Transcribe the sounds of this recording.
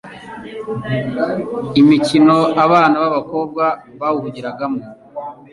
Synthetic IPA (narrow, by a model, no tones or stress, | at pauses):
imicino̞aβaːnaβaβako̞b̚ɡwaβawuhuɟiɾaɡamo